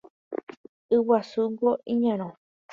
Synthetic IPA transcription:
ɨwasuŋɡoĩɲãɾ̃õ

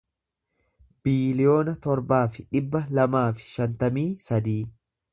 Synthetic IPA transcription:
b̥iːlɪjo̞ːnɐt̪ɔɾbaːfɪᶑɪbːɐlɐmaːfɪ̥ʃɐnt̪ɐmiːsɐd̪iː

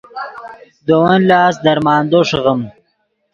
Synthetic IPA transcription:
d̪owɐnlɑːsd̪ɐɾmɑːnd̪oʂɐɣəm

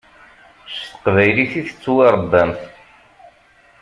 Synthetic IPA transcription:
st̪ə̥qvæjliθiθət͡sːweɾˤəd̪ːæmθ

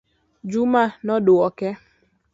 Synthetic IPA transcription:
d͡ʒumanɔdʊɔkɛ

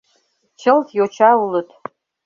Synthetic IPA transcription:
t͡ʃʰɨltʰjot͡ʃʰaulɨtʰʼ

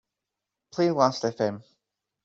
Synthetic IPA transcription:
pʰl̥iːzlastɛfɛ̃m

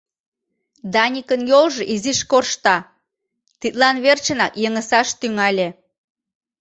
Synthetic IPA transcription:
d̪ɑnʲikənjolʒɤʔiziʃkorʃt̪ɑ | t̪it̪lɑnβert͡ɕənɑkjəŋəsɑʃt̪yŋɑlʲe

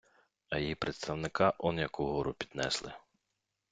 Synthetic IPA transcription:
ɐjjipɾet̪st̪ɐwnɪkɑʔɔnjɐkʊɦɔɾʊpʲid̪nɛ̰slˠɪ

